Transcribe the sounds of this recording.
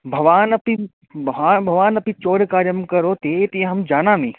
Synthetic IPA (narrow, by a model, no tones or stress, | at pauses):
bʱɐʋaːnɐpi | bʱaːbʱɐʋaːnɐpit͡ʃoːɾkaːɾjəmkɐɾot̪eːt̪ĩẽɦɐmd͡ʒaːnaːmẽː